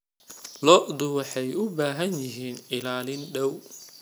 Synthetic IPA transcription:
lɔʔd̪ʊwɑħɛjʊbaːɦɐnjɪɦiːnɪlaːlɪnɖɐw

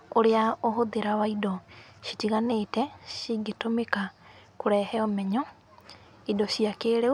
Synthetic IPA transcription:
oɾeaoɦoðeɾawaidɔʃi̥tiɣanetɛɕiɡetomekakoɾɛhɛɔmɛɲɔ | idɔʃiakeːɾe

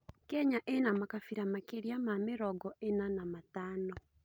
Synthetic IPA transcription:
kɛɲaʔenamakafiɾamakeɾiamameɾɔɡɔenanamataːnɔ

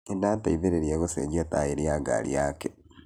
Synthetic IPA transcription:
enataiβeɾeɾjeɣosḛd͡ʒiataeɾijaɡa̰ɾḭake

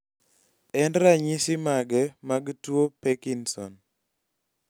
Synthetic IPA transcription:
ɛndɾaɲisɪmaɡɛmaɡtwopɛkinsɔ̰n

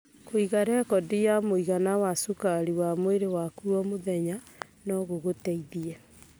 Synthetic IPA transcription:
koiɣaɾɛkɔdijamoiɣanawasokaɾiwamweɾewakuɔmoðɛɲa | nɔɣoɣotɛiðiɛ

